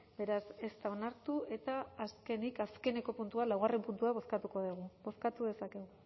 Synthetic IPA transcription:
be̞ɾase̞st̪ao̞naɾt̪ue̞t̪aːske̞nikaske̞ne̞ko̞punt̪ualawɣare̞mpunt̪uaβo̞skat̪uko̞ðeɣ̞ubo̞skat̪uðe̞sake̞ɣu

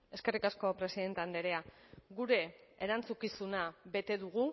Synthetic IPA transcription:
e̞ske̞rikasko̞pɾe̞siðe̞nt̪e̞and̪eɾe̞aɣuɾe̞ːɾant͡sukisunaβe̞t̪e̞ðuɣ̞u

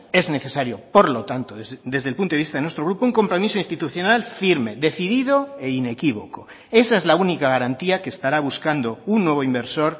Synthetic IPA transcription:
e̞zne̞θe̞saɾjopo̞ɾlo̞t̪ant̪oðed̪e̞zðelpunt̪oist̪aðnwest̪ɾoɾupouŋko̞mpɾo̞misoinst̪it̪uθjo̞nalfiɾme̞ðe̞θiðiðo̞e̞ine̞kiβo̞ko | e̞saezlaunikaɣaɾant̪iakeːst̪aɾaβ̞uskand̪o̞unːwe̞β̞oimbe̞ɾso̞ɾ

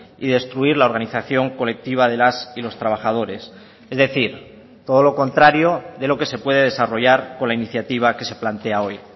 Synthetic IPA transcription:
iðe̞st̪ɾuiɾlaoɾɣaniθaθjo̞ŋko̞le̞k̚t̪iβ̞að̞e̞lasilo̞st̪ɾaβ̞aχað̞o̞ɾe̞s | ezðe̞θiɾ | t̪o̞ð̞o̞lo̞ko̞nt̪ɾaɾjo̞ðe̞lo̞ke̞se̞pwe̞ð̞e̞ðe̞saro̞ʝaɾko̞nlainiθjat̪iβ̞ake̞se̞plant̪e̞ao̞j

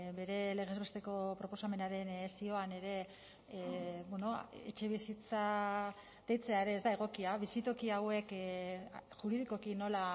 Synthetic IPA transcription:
be̞ɾe̞le̞ɣ̞e̞zβe̞st̪e̞ko̞pɾo̞po̞same̞naɾe̞nsio̞ane̞ɾe̞ | bweno̞ḛt͡ʃe̞β̞isit͡sa | d̪e̞jt͡se̞aeɾe̞ːzd̪ae̞ɣ̞o̞kiaβisit̪o̞kiawe̞k | ʝuɾið̞iko̞kino̞la

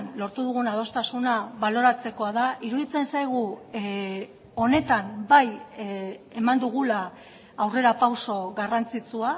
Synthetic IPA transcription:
nlo̞ɾt̪uðuɣunað̞o̞st̪asunaβalo̞ɾat͡se̞ko̞aðaʔiɾuðit͡se̞nsajɣ̞u | o̞ne̞t̪ambaj | e̞mand̪uɣ̞ulaː | wre̞ɾapawso̞ɣarant͡sit͡sua

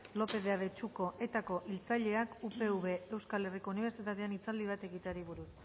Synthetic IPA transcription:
lo̞pe̞ðeaβe̞t͡ʃuko̞ʔe̞t̪ako̞ʔilt͡saʎe̞akupe̞uβe̞ewskale̞riko̞uniβ̞e̞ɾsit̪at̪e̞anit͡sald̪iβ̞at̪e̞ɣit̪aɾiβ̞uɾus

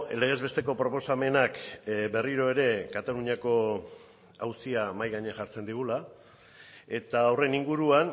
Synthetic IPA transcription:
ḛleɣ̞e̞zβe̞st̪e̞ko̞pɾo̞po̞same̞nakbe̞riɾo̞e̞ɾe̞kat̪aluɲako̞ | awsiamajɣaɲeaʝaɾt͡se̞nd̪iɣ̞ula | e̞t̪aːwre̞niŋɡuɾuan

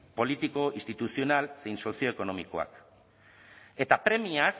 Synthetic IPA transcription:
po̞lit̪iko̞ist̪it̪usio̞nalse̞jnso̞sio̞eko̞no̞mikoa̰k | e̞t̪apɾe̞mias

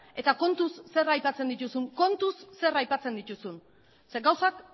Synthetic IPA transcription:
e̞t̪ako̞nt̪usːe̞rajpat͡se̞nd̪it̪usuŋko̞nt̪usːe̞rajpat͡se̞nd̪it̪usun | sɡawsak

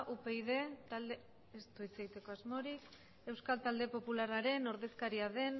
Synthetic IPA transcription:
ʔupe̞iðe̞t̪ald̪e | est̪uit͡se̞ɣit̪e̞ko̞azmo̞ɾik | e̞wskalt̪ald̪e̞po̞pularaɾe̞no̞ɾðe̞skaɾiaðe̞n

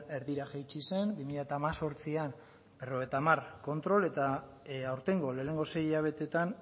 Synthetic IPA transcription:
e̞ɾðiɾaʝajt͡ʃise̞nbimiʎat̪aːmaso̞ɾt͡sian | be̞ro̞ɣ̞et̪amarko̞nt̪ɾo̞le̞t̪a | awɾt̪e̞ŋɡo̞le̞ːne̞ŋɡo̞se̞jiʎaβ̞e̞t̪e̞t̪an

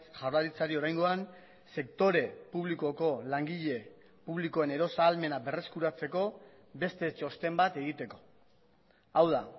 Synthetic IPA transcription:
ʝawraɾit͡saɾio̞ɾajŋɡo̞an | se̞kt̪o̞ɾe̞puβliko̞ko̞laŋɡiʎe̞ | puβliko̞e̞ne̞ɾo̞saːlme̞nabe̞re̞skuɾat͡se̞ko̞ | be̞st̪e̞t͡ʃo̞st̪e̞mbat̪e̞ɣ̞it̪e̞ko̞̥ | awða

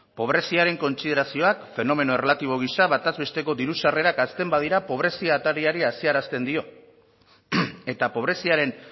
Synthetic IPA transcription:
po̞β̞ɾe̞siaɾe̞ŋko̞nt͡sið̞e̞ɾasio̞akfe̞no̞me̞no̞e̞relat̪iβ̞o̞ɣ̞isaβat̪azβe̞st̪e̞ko̞d̪iɾusare̞ɾakast̪e̞mbað̞iɾapo̞β̞ɾe̞siat̪aɾiaɾiasiaɾast̪e̞nd̪io̞ | e̞t̪apo̞β̞ɾe̞siaɾe̞n

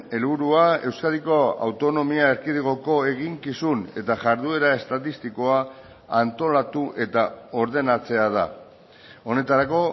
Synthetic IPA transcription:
e̞lβuɾuae̞wskaðiko̞a̰wt̪o̞no̞miaeɾkið̞iɣo̞ko̞e̞ɣiŋkisune̞t̪aʝaɾðue̞ɾae̞st̪at̪ist̪iko̞aː | nt̪o̞lat̪uʔe̞t̪ao̞ɾðe̞nat͡se̞að̞a | o̞ne̞t̪aɾako̞

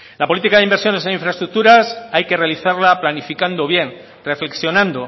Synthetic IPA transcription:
lapo̞lit̪ikaðeimbeɾsjo̞ne̞seĩɱfɾaest̪ɾuk̚t̪uɾasajke̞realiθaɾlaplanifikand̪oβje̞n | re̞fle̞ksjo̞nãnd̪o

